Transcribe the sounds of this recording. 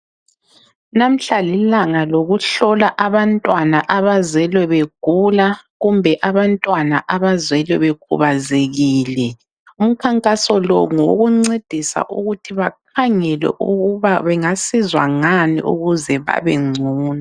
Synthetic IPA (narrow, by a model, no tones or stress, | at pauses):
nam̩ɬalilaŋaloɣuɬɔlaʔaβantʼwanaʔaβazwɛlwɛβeɡ̥ʱulaɣumbʱɛʔaβantʼwanaʔaβazwɛlwɛβeɡ̥ʰʱṵβazeɣiːlɛ | um̩kʰaŋkʼasɔlɔŋoɣuŋ͡ǀed̥ʱisa̰ʔuɣutʰiβak̚ʰaŋɛlɛ̰ʔuɣuβaβɛŋasizwa̰ŋanḭʔṵɣuzɛβa̰βɛŋ͡ǀʱuːna